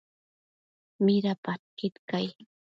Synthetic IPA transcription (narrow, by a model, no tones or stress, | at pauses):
mɪɾapatqɪt̪kaj